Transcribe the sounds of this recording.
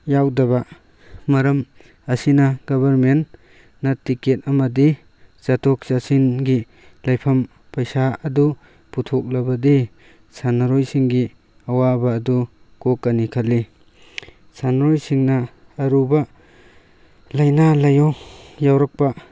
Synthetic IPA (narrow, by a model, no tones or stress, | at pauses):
jawdɐba | mɐɾɐm | ɐsinaɡɔβɐɾmenː | atiket̚ɐmɐdi | t͡ʃatʰɔk̚sasinɡi | lɐjpʰɐm | pɐjsaɐdu | putʰɔk̚lɐbɐdi | sanaɾojsiŋɡi | ɐwabaːdu | kokːanikʰali | sanɾojsiŋnɐ | ɐɾuba | lajnalɐjɔjawɾɐk̚pa